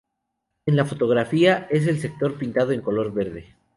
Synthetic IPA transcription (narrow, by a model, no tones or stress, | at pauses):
e̞nlafo̞t̪o̞ɣ̞ɾafiae̞s̬e̞lse̞k̚t̪o̞ɾpint̪að̞oe̞ŋko̞lo̞ɾβe̞ɾðe̞